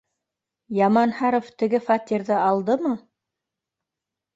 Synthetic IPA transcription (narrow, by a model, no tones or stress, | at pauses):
jɑmɑnhɑɾoft̪ɘ̆ɡɘfɑt̪ʲiɾðɤɑlˠd̪ɤmɤ